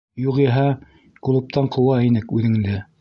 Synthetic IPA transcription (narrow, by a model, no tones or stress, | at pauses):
juʁiɦɑ | kulˠɤ̆p̚t̪ɑɴqʰŏwɑinɘkʉðɘ̆ŋd̪ɘ